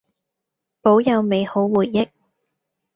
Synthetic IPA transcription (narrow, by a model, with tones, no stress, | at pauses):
po˨˥wjɐ˨˧wme˨˧jho˨˥wwuː˨˩t̚jɪ˥k̚